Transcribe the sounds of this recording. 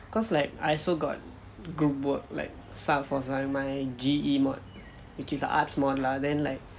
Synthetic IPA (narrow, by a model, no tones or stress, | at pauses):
kɔslaɪk̚a̰jsoɡɔ̰t̚ | ɡɹup̚wək̚la̰ɪk̚ | statfɔsãŋmajd͡ʒiimɔt̚ | wit͡ʃisə̰ʔa̰tsmɔdəladɛ̃nlaɪk̚